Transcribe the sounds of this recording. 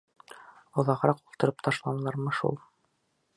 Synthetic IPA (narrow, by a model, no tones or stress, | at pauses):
ŏðɑʁɾɑqulˠt̪ɤ̆ɾɤpt̪ʰɑʃlˠɑnɤlˠɑɾmɤʃṵlˠ